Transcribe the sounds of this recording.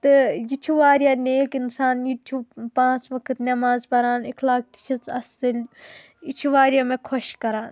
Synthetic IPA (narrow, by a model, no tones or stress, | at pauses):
t̪ɨjit͡ʃʰuʋaːɾjaneːkinsaːnjutʰuːbpãːt͡sʋɐkʰɨt̪nʲɐmaːzbɐɾaːnekʰlaːk̚t̪i̥t͡ʃʰit͡sɐsɨl | it͡ʃʰiʋaːɾʲjamẽkʰɔʃkɐɾaːn